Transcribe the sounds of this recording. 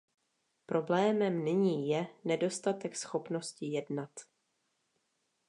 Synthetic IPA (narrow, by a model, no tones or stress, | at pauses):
pɾo̞blɛːmɛmnɪɲiːjɛnɛdo̞st̪at̪ɛksxo̞pno̞scɪjɛdnat̪